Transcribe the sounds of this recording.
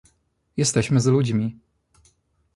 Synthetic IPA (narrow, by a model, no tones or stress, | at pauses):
jɛst̪ɛɕmɘzlud͡ʑmʲi